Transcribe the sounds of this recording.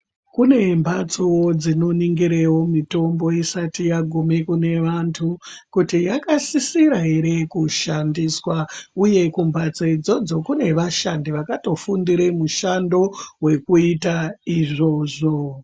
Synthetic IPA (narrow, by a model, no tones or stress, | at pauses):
kune̞mbʱat͡sowod͡zino̞niŋɡiɾewo̞mito̞mbo̞isatijaɡʱumikune̞ʋantʰukutijakasisiɾaɦe̞ɾe̞kuʃandiswauje̞kumbʱat͡seid͡zo̞d͡zo̞kune̞ʋaʃandiʋakato̞fundiɾemuʃando̞we̞kuitaiʐo̞ːʐo̞